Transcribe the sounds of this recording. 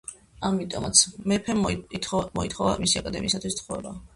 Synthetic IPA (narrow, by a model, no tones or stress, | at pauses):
amit̪ʼɔ̰at̪sʰmɛpʰɛimɔit̪ʰχɔva̰misiakʼad̪ɛmiːsat̪ʰwist̪sʰχɔvɛba